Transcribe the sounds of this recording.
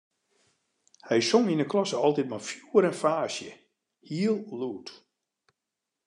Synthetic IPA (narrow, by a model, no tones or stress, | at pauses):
hɛjsoŋinəkʰlɔsəɔlˠtit̚mafjuəɾɛnfaːsjə | hiəlˠluːt